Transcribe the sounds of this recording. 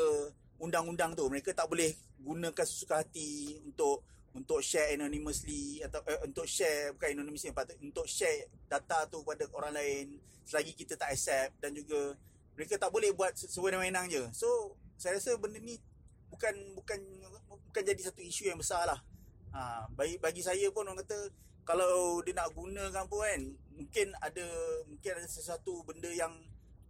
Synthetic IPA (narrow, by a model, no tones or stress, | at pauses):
ə | undaŋundaŋt̪uməɾekat̪aʔbolɛhɡunə̃kansə̥su̥kaɦat̪iunt̪ʊʔ | unt̪ʊʔʃɛɛnaniməsliat̪aʔunt̪ʊʔʃɛbukanɛnoniməsipat̪unt̪ʊʔʃɛdat̪at̪ukəpadaoɾaŋlaɪn | səlaɡikit̪ət̪aʔasɛp̚dand͡ʒuɡa | məɾekat̪aʔbolɛhbuat̪̚səwənamenaŋd͡ʒəsosajəɾasəbəndəni | bukanbukanbukand͡ʒadisat̪uiʃujaŋbəsalahəbaibaɡis̬ajəpʊnankat̪ə | kalawdənaʔɡunə̃kampəanmuŋkɪnadəmuŋkɪnadəsəsat̪ubəndəjaŋ